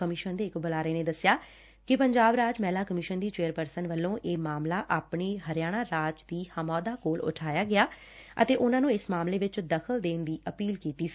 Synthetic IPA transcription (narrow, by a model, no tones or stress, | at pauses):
kəmɪʃənd̪eːɪkbəlaːɾəeːneːd̪əsɪjaː | kɪpəɲd͡ʒaːbɾaːd͡ʒmɛːlaːkəmɪʃənd̪iːt͡ʃeːəɾpəɾsənʋəlːõːʔeːmaːmlaːʔaːpɳeːɦəɾɪjaːɽ̃aːɾaːd͡ʒd̪iːhəmɔːd̪aːkoːlʊ̰ʈʰaːjaːɡɪaː | ə̰t̪eːʔʊnãːnũːɪsmaːmleːʋɪt͡ʃd̪əkʰəld̪eːnd̪iːʔəpiːlkiːt̪iːsi